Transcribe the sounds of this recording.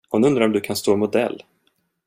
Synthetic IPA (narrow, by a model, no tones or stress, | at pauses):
hʊnɵnd̪ɾaɾɔmd̪ɵkʰanst̪oːmʊd̪ɛ̰lː